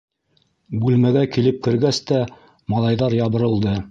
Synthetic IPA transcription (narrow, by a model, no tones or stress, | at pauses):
bʉlmæɡækilɘp̚kɘ̆ɾɡæst̪æ | mɑlˠɑjðɑɾjɑβɤ̆ɾɤ̆lˠd̪ɤ